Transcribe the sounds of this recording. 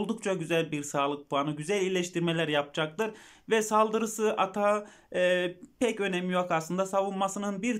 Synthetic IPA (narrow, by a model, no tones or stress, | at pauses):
lˠd̪ukt͡ʃʰaɟyzælʲbiɾsaːlˠɯk̚pʰuanɯɟyzælʲilʲɛʃt̪ʰiɾmelʲæɾjapd͡ʒak̚t̪ɯɾ | vɛsalˠd̪ɯɾɯsɯʔat̪ʰa | pʰɛcø̞nɛmijokaslˠɯnd̪asavunmasɯnɯnbiɾ